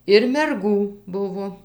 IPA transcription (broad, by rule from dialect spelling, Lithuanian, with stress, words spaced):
ɪr mʲɛrˈɡuː ˈbʊʋoː